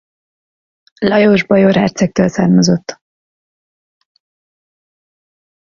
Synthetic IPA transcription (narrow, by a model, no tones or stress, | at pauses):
lɒjoːʒbɒjoɾɛ̰rt̪sɛk̚t̪øːlsa̰ːrmɒzo̞t̪ː